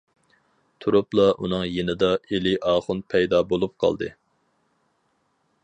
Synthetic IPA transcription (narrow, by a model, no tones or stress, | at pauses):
t̪ʰuɾuplˠɑʔunɨŋjenɨd̪ɑelɪʔɑːχʊnpʰɛjd̪ɑbolˠup̚qʰɑ̰lˠd̪ɨ̰